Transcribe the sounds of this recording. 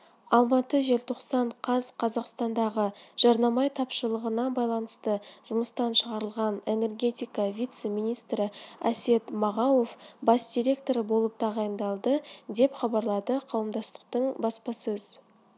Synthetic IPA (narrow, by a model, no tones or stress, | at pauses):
ɑlˠmɑt̪əʒe̞lʲt̪ʰo̞qsɑɴqʰɑzqʰɑzɑqst̪ɑnd̪ɑʁəʒ̥ɑɾnɑmɑjt̪ʰɑpʃəlˠəʁənɑbɑjlˠɑnəst̪əʒ̥ʊməst̪ɑnʃəʁɑɾəlˠʁɑne̞ne̞rɡʲe̞t̪ijkɑvʲijt̪se̞mijnijst̪ɾɪæ̰se̞t̪mɑʁɑwo̞fbɑsd̪̥ʲiɾʲe̞k̚t̪o̞ɾbo̞lˠəp̚t̪ʰɑʁɑjənd̪ɑlˠd̪əd̪e̞pχɑbɑɾlˠɑd̪əqʰɑwəmd̪ɑst̪ə̥q̚t̪əɴbɑspɑsɵz